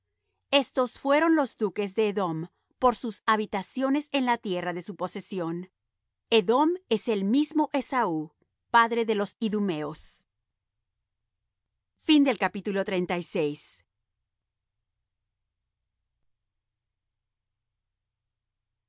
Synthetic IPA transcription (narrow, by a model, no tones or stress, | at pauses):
e̞st̪o̞sfwe̞ɾo̞nlo̞zd̪uke̞zðe̞ːðo̞m | po̞ɾsusaβit̪asjo̞ne̞se̞nlat̪je̞raðe̞supose̞sjo̞n | e̞ðo̞me̞se̞lmizmo̞ʔe̞sau | paðɾe̞ðe̞lo̞siðume̞os | find̪e̞lkapit̪ulo̞t̪ɾent̪ajsejs